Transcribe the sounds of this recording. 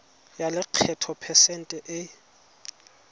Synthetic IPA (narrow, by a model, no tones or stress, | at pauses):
jalɪq͡χʰɛtʰɔpʰɛsɛn̩tʼɛʔɪ